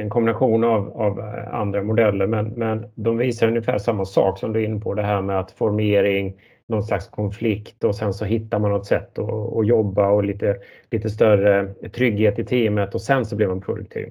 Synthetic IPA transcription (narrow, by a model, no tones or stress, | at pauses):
ɛnkʰɔmbɪnaɧuːnavava̰nd̪ɾamʊd̪ɛlːəɾmɛnmɛnd̪ɔmviːsaɾɵnjɪfæ̰ːʂamːasɑ̰ːksɔmd̪ʉɪnːəpʰɔd̪ɛɦæːɾmɛat̪fɔɾmeːɾɪŋ | nɔnslakskʰɔnflɪkt̪ɔsɛnsɔɦɪt̪ːaɾmanːɔt̪ːsɛt̪ːɔ̰ːjɔbːaɔliːt̪ə | liːt̪əst̪œrət̪ʰɾʏɡːheːt̪ɪt̪ʰiːmət̪ɔsɛnsɔblɛvmanpʰɾʊd̪ɵ̰k̚t̪ʰḭːv